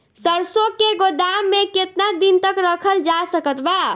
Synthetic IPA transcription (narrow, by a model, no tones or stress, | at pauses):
səɾsokeɡod̪amːeket̪nad̪int̪əkɾəkʰəld͡ʒasəkət̪ba